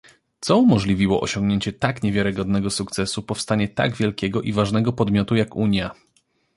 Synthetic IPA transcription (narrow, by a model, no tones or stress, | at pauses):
t̪sɔumɔʐlʲivʲiwɔʔɔɕɔŋɡɲeɲt͡ɕɛt̪akɲevʲjaɾɘɡɔd̪̚nɛɡɔsukt̪sɛsupɔfst̪aɲɛt̪a̰ɡvʲjɛlkʲɛɡɔʔivaʐnɛɡɔpɔd̪mʲjɔt̪ujakuɲja